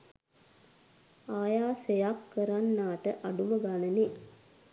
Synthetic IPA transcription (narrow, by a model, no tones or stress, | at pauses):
aːjaːsejakːəɾanːaːʈəʔaɖuməɡanəne